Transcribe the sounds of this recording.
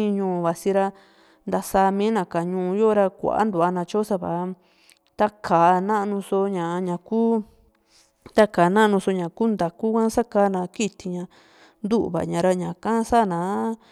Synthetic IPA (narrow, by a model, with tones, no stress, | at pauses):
ĩ˦˧ɲũː˧˨˧βa˨si˧ɾa˧ | nd̪a˧saː˧mĩː˦nã˧ka˨ɲũː˧jo˦ɾa˧kʷa̰˨ʔa̰˦nd̪u˨a˧nã˧t͡ʃo˦sa˧βa˨˦ | t̪a˦kʰaː˨nã˦ʔnũ˧so˧ɲã˨˧ɲã˨kuː˦ | t̪a˦kaː˨˦nã˦ʔnũ˧so˧ɲã˨kuː˦nd̪a˨ku˦kã˦sa˦kaː˧˦nã˨˧ki˦t̪i˧ɲã˧ | nd̪u˦ʔβa̰˨ɲã˨ɾa˧ɲã˨kã˦sa˦˨nãː˨˦